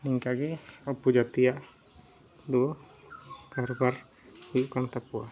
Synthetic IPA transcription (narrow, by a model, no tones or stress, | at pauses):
niŋkaɡeɔpud͡ʒat̪iaʔ | d̪uɔ | karbar | ujukant̪apua